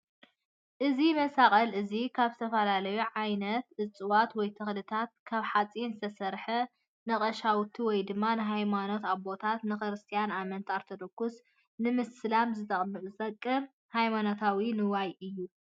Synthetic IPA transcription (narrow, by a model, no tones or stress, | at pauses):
ʔɨzimɐsakʼɐlɨzikʰaβzɨt̪ʰɐfɐlalɐjuʕajnɐt̪ɨt͡sʼɨwat̪wɔjt̪ʰɨxlɨt̪ʰat̪̚kʰaβħat͡sʼinzɨt̪ʰɐsɐɾħɐ | nɐχʼɐʃawt̪ʰiwɔjd̪ɨmːanɨɦajmano̞t̪aβbo̞t̪ʰat̪nɨxɨɾɨst̪ʰijanamɐnt̪ʰaɾt̪ʰɐd̪okːus | nɨmɨslamzɨt̪ʼɐzɨt̪ʼɐkʼːɨm | hajmanot̪ʰawinɨwajɨjːu